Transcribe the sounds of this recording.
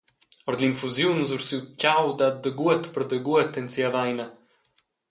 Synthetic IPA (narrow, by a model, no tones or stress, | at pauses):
ɔɾd̪linfuzjunzuɾsiwt̪cawd̪ad̪əɡuɛt̪pəɾd̪əɡuɛt̪ɛnsiavajnə